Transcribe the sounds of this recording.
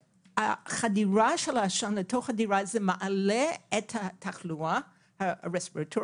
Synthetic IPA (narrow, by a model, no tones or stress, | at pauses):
haχadiɹaʃelaʃanletʰoχadiɹazemaʔaleethatʰaχlua | haɹespiʁatʰo